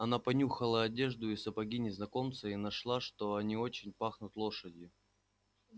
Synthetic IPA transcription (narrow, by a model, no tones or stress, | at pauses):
ɐnapɐnʲuxəlˠəɐdʲe̞ʐd̪ʊisəpɐɡʲinʲɪznɐko̞mt̪səinɐʂlˠaʂt̪o̞ɐnʲio̞t͡ɕɪnʲpaxnʊt̪lˠo̞ʂədʲjɪ